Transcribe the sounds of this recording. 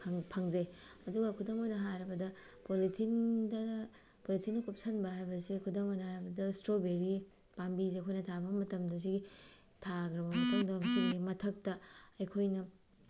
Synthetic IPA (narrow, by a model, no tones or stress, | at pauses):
pʰŋpʰɐŋzeɐduɡɐkʰudɐmojnɐɦaɾɐbɐdɐ | politʰindɐ | politʰinːɐkup̚sɐnbɐɦajbɐsekʰudɐmojnɐaɾɐbɐdɐstɾobeɾi | pambizekʰojnɐtʰabɐmɐtɐmdɐs̬iɡi | tʰaɡɾɐbɐmɐtɐŋdɐsiimɐtʰɐk̚tɐɐjkʰojnɐ